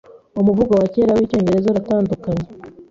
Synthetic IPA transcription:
omuvuɡawaceːɾawiːco̞ːɲɟe̞ɾe̞zoɾataːndukaɲe

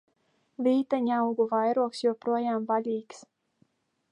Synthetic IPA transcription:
vʲiːt̪aɲawɡuvajɾuɔksjuɔpɾuɔjaːmvalʲiːks

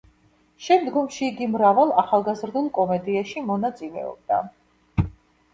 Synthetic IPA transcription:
ʃɛmd̪ɡɔmʃiːɡimɾavalˠaχalˠɡazɾd̪ulˠkʼɔmɛd̪iaʃimɔnat̪sʼilɛ̰ɔ̰b̚d̪a̰

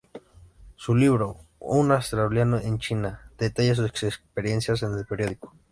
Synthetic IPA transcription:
suliβɾounast̪ɾauljanoʔent͡ʃinad̪̥et̪aʝas̬useksepeɾjensjas̬enelpeɾjoðiko̥

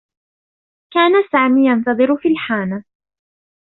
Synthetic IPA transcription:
kaːnasaːmiːjɑnt̪ɑðˤɨɾʊfiːlħaːna

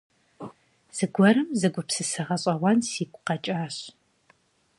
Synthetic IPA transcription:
z̥ɨɡʷɔɾɨmzɨɡʷʊpsɨsɨʁɐɕʼɐʁʷɐnsiːkʷʼʊqɐt͡ʃʼaːɕ

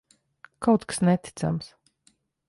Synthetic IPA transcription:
kʰawt̪ksnɛt̪i̥t̪sa̰ms

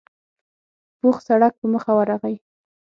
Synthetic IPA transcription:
puxsaɽak̚pəməxawaɾaɣaj

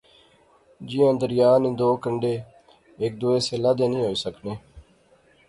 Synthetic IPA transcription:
d͡ʒiːãːd̪əɾjaːnĩːd̪oːkəɳɖeː | eːk̚d̪oːeːseːlad̪eːnĩːɦoːiːsəkneː

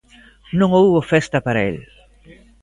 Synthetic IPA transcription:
nõŋowβofest̪ɐpaɾaḛl

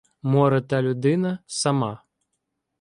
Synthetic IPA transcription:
mɔɾɐt̪alʲud̪ɪnɐsama

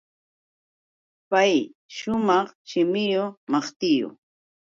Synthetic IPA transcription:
pajʃʊmɑχʃɪmɪjomɑχt̪ɪjo̰

